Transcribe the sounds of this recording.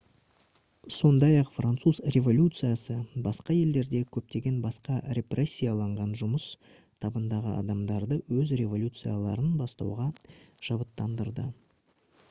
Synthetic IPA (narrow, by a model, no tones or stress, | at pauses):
so̞nd̪ɑjɑqfrant̪suzrʲe̞vo̞lʲut̪sɨjasəbɑsqɑje̞ld̪e̞ɾd̪e̞kʲʰɵp̚t̪e̞ɡʲe̞nbɑsqɑɾʲe̞prʔe̞sʲːijalˠɑɴʁɑnʒʊməs | t̪ʰɑbənd̪ɑʁəɑ̰d̪ɑmd̪ɑɾd̪əwɵzɾʲe̞vo̞lʲjut̪sɨjalˠɑɾənbɑst̪ɑ̰wʁɑʒ̥ɑbət̪ːɑnd̪əɾd̪ə